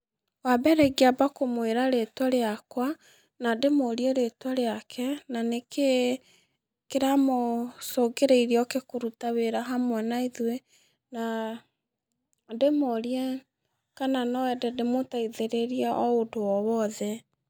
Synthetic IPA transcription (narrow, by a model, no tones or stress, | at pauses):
wabɛɾeɡiabakomweɾaɾetwaɾeakwa | nademoɾiɛɾetwaɾeakʰɛnaneke | keɾamosoɡeɾeiɾiɔkekoɾutaweɾaɦamwɛnaiðwe | na | demoɾiɛ | kananɔwɛdɛdemotaiðeɾeɾijaʔɔodowɔwɔðɛ